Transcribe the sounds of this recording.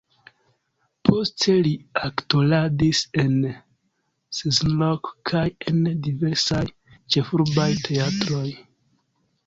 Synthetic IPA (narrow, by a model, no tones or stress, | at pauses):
pʰo̞stʰe̞liaktoladise̞n | sezlokkʰaje̞ndive̞ɾsaj | t͡ʃe̞fuɾbajtʰe̞atɾo̞j